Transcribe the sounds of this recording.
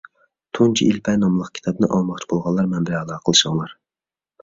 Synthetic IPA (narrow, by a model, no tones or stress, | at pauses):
t̪ʰunt͡ʃʰḭilpʰɛnɑmlˠəqkʲʰt̪ʰɑbnɪʔɑlˠmɑχt͡ʃʰibolˠʁɑnlˠɑɾmɛnbɪɾɑlˠɑːqʰəlˠɨʃɑŋlˠɑɾ